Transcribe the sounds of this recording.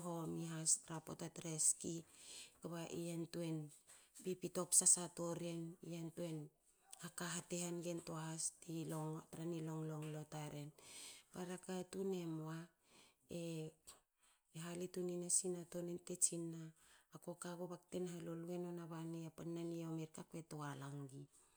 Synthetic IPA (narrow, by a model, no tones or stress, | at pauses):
ɦomiɦastɾapotatɾeskikaβaʔiantue̞npipito̞psasato̞ɾieniantuen | akaɦatehanɡentoaɦastioŋtɾanilo̞ŋloŋlotaɾe̞npaɾakatune̞moa | e | ɦalituninasinato̞nentet͡ʃinaːko̞kaɡobak̚tenɦaloluenonaβaniapanːaniaomeɾkake̞toalaŋɡi